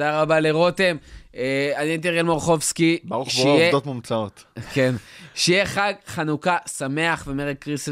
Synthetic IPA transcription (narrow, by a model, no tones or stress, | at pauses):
daʁabaleʁot̪e̞meanient̪̬eʁelmoʁχo̞vskibauʃejedot̪mumt͡saot̪kenʃejeχaɡχanukasame̞aχve̞meʁek̚kʁis